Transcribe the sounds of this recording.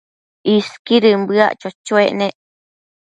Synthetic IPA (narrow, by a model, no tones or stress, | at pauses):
iskiɾɨmbɨa̰ʔt͡ʃot͡ʃoeʔnẽʔ